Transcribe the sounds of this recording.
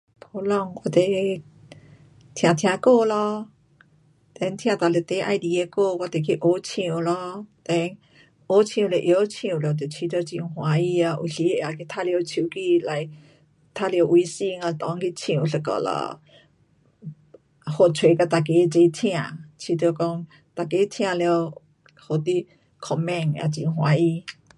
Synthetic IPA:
pʰo˧lɔ˧ŋkwa˧t̪e˨˩ | t̪ʰj̃ã˨t̪ʰj̃ã˧˨ko˥˧lɔ˧ | t̪ɛ˧˦nt̪ʰj̃ã˧˨t̪a˨le˨t̪e˧˦ʔa˧jd̪i˧˦e˧ko˥˧kwa˧t̪e˨˩kʰi˧ʔo˧˦t͡ɕʰĩ˧˨lɔ˧t̪ɛ˧˦ŋ | ʔo˧˦t͡ɕʰĩ˧˨˧le˨ʔjo˧˦t͡ɕʰĩ˧˨˧lo˧˩˨t̪e˨t͡ɕʰi˧˦t̪o˧t͡ɕĩ˧˨˧hwã˧˦i˧a˧ʔu˧˨ɬi˧˦e˧˨a˨˩kʰi˧t̪ʰa˥˧li˧o˧wt͡ɕʰi˧˦ki˧la˧j | t̪ʰa˧li˧o˧wʔu˧˦si˧ŋa˧˨˧t̪ɔ˧˦ŋki˧t͡sʰĩ˧˨u˨˧ɬə˧kɔ̰˧˨lə̰˧ | ho˧˨t͡sʰwe˨˦ka˧t̪a˨ke˧˦t͡ʃe˧˦tʰĩ˧ã˨t͡ɕʰi˧t̪kɔ˧ŋ | t̪a˨ke˧˦t̪ʰĩ˧ã˧lɛ˧ə˧w | ho˨t̪i˧˦ | kʰɔ˧˨mɛ̃˧˨ŋ˧a̰˧˨t͡ɕi˧˨ɦwa˧˦i˧

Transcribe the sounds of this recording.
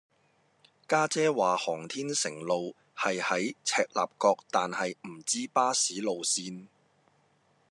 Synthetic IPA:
kaː˥t͡sɛː˥waː˨hɔː˨˩ŋt̪ʰiː˥nsɪ˨˩ŋlo˨w | hɐ˨jhɐ˨˥jt͡sʰɛː˧k̚la̰ː˨p̚kɔː˧k̚t̪aː˨nhɐ˨jm̩˨˩t͡siː˥paː˥siː˨˥lo˨wsiː˧n

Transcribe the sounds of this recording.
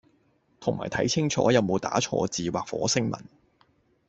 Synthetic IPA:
t̪ʰʊ˨˩ŋma̰ː˨˩jt̪ʰɐ˨˥jt͡sʰɪ˥ŋt͡ʃʰɔ̰ː˨˥jɐ˨˧wmo˨˧wt̪a̰ː˨˥t͡ʃʰɔ̰ː˧t͡siː˨waː˨k̚fɔ̰ː˨˥sɪ˥ŋmɐ̰˨˩n

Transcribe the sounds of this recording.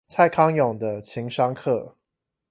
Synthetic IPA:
t͡sʰa˥˨ɪkʰɑ˥ŋjɔ˨˩ŋd̪ə˦t͡ɕʰi˨˦ŋʂɑ˦ŋkʰɤ̰˥˨

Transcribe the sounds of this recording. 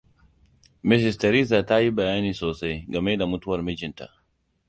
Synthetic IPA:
mɪ˦s̬ɪ˨stɐ˨ɾi˦sa˨ta˦ji˦bɐ˨jaː˦niː˨soː˨sa˦jɡɐ˨me˦da˨mʊ˦tʊ˦wɐ˨rmɪ˦d͡ʒɪ˨nta̰˨ʔ

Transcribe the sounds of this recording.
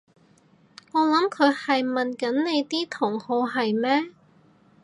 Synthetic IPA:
ŋɔː˨˧lɐ˨˥mkʰɵ˨˧ɥhɐ˨jmɐ˨˩nkɐ˨˥nne˨˧jt̪iː˥t̪ʰʊ˨˩ŋho˨˧wɦɐ˨jmɛː˥

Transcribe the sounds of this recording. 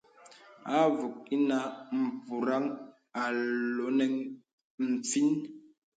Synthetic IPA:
a˦vu˨k̚i˦na˦m̩˨pu˨ɾa˦ŋ | a˨lo˨˦nɛ˦ŋ | m̩˨p͡fi˦n

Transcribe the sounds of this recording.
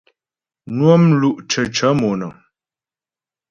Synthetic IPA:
nwo˦mlu˦ʔt͡ʃə˨t͡ʃə˨˦mo˨nə˨

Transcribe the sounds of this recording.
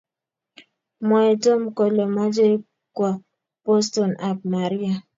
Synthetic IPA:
mɔ˨e˨to˦m̩˦kɔ˨lɔ˨ma˦d͡ʒe˦ɾi˦ | kwa˨ | po˦sto˨na˨k̚ma˨ɾi˦a˨

